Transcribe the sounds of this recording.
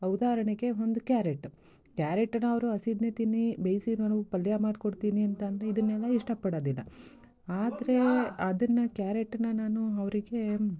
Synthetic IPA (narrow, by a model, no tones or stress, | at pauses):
ɐwud̪aːɾɐɳeɡe̞o̞nd̪ukjaːɾeʈː | kjaːɾeʈːɐnɐɐʋɐɾuɐsid̪nɐt̪inibejsinɐnɡupɐljamaːd̪koɽt̪iːniɐnt̪ɐnd̪ɐɾe̞id̪ɐnːɛlːɐiʂʈɐpɐɽɐd̪ilːɐ̰ | aːd̪ɐɾe̞ɐd̪ɐnːɐkjaːɾeʈːɐnːɐnaːnuɐʋɐɾiɡe̞